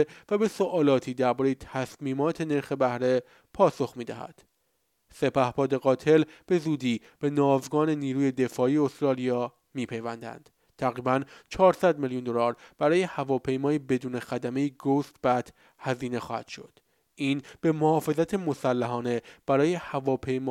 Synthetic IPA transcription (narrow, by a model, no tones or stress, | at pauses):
væbe̞soʔɒːlɒːt̪ʰiːd̪æɾbɒːɾejet̪ʰæsmiːmɒːt̪ʰe̞ne̞ɾxe̞bæhɾe̞ | pʰɒːso̞xmiːd̪æhæ̰d̪̥ | se̞pæhbɒːd̪e̞ɣɒːt̪ʰe̞lb̥e̞zuːd̪iː | b̥e̞nɒːzɡɒːne̞niːɾuːje̞d̪e̞fɒːiːost̪ɾɒːlijɒː | miːpʰe̞jvænd̪æ̰nd̪̥ | t̪ʰæɣɾiːbænt͡ʃʰɒːɾsæd̪milijund̪o̞lɒːɾb̥æɾɒːjehævɒːpʰe̞jmɒːibe̞d̪uːne̞xæd̪æme̞jiɡost̪b̥æt̪ʰ | hæziːne̞xɒ̰ːhæ̰d̪̥ʃo̞̰d̪̥ | ʔiːnb̥e̞mohɒːfe̞zæt̪ʰemo̞sælːæɦɒːne̞b̥æɾɒːje̞hævɒːpʰe̞jmː